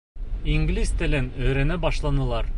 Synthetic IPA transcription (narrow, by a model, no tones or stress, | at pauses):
iŋɡlist̪ɘ̆lɘnɵ̆jɾænɘbɑʃlˠɑnɤ̆lˠɑɾ